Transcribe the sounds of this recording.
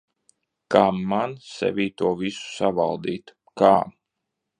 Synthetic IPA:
kaːmːansɛ̰vʲiːt̪uɔvisu̥savalˠd̪iːt̪ | kaː

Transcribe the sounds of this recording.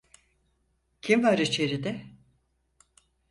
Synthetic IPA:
cʰimvaɾit͡ʃʰe̞ɾid̪ɛ

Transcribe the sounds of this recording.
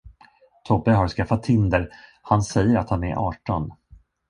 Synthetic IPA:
t̪ʰɔbːəɦaɾskafːat̪ʰːɪnd̪əɾhansɛjːəɾat̪hanɛɾʔɑːʈɔn

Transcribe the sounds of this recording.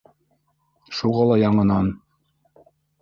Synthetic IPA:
ʃuʁɑlˠɑjɑɴɤ̆nɑn

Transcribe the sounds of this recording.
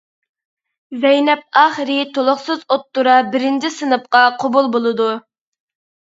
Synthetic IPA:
zɛjnɛp̚ɑːχəɾɪt̪ʰolˠʊχsɨzot̪ːuɾɑbɪɾɪnd͡ʒʰisɨnɨp̚qɑqʰobulˠbolˠɨd̪u

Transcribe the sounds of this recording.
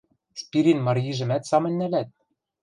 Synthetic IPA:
spʲiɾinmɑrʲiʒɘ̆mæt̪sɑmɤ̆nʲːælæt̪̚

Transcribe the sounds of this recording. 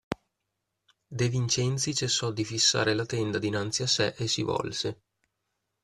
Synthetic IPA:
d̪evint͡ʃɛnt̪sit͡ʃesːɔd̪ifisːa̰ːɾelat̪ɛnd̪ad̪inant̪siasɛʔesːivɔ̰lse

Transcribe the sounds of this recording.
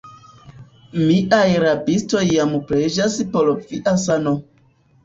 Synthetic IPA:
miʔajɾabistojamupɾed͡ʒasipoloviʔasano

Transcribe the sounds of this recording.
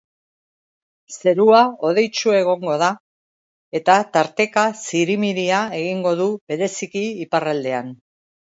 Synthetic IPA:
se̞ɾuao̞ð̞e̞jt͡ʃue̞ɣ̞o̞ŋɡo̞ð̞a | e̞t̪at̪aɾt̪e̞kasiɾimiɾiae̞ɣiŋɡo̞ðuβe̞ɾe̞sikiːparald̪e̞an

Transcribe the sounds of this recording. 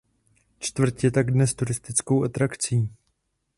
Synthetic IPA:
t͡ʃt̪vr̩t̪jɛt̪aɡdnɛst̪uɾɪst̪ɪt͡skowʔat̪ɾakt͡siː

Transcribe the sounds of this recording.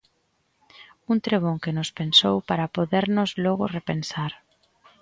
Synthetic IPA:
unt̪ɾeβ̞oŋkenʊspensowpaɾapoðeɾnʊzlɔɣ̞ʊrepensaɾ

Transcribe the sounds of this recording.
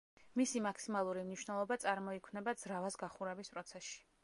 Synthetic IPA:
misimakʰsimalˠuɾimniʃwnɛlˠɔbat̪sʼaɾmɔikʰmnɛbad̪z̥ɾavasɡaχuɾɛbispʼɾɔt̪sʰɛsʃi̥

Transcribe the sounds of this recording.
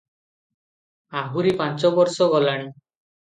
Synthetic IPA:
aɦuɾipant͡ʃɔbɔɾsɔɡɔlaɽ̃i

